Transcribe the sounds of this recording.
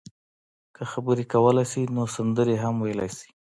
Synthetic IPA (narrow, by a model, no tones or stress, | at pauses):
kəxabəɾekawəlajsinosand̪əɾeɦamwajəla̰jsi̥